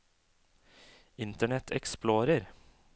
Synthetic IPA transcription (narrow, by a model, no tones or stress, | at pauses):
ɪnt̪əɳɛt̪ʰɛ̰ksploːɾəɾ